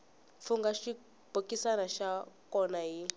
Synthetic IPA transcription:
fuŋɡaʃi | b̥ʱokʼisanaʃakɔnaɦi

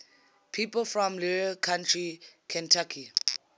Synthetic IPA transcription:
pʰipəlfɹɔ̃mliɹkʰãntɹikʰɛ̃ntʰakʰi

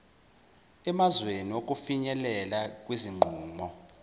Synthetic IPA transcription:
ɛmazweniok̬ʼufiɲɛlɛlak̬ʼwiziŋ͡ǃʱuːmɔ

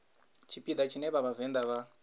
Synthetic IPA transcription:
t͡ʃʰipid̪at͡ʃineβaβavend̪aβa

